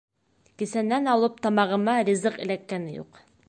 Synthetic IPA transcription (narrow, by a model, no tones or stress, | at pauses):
kisænːænɒlˠɤp̚t̪ɒmɑʁɤ̆mɑɾʲizɤqɘ̰̆lækːænɘjṵq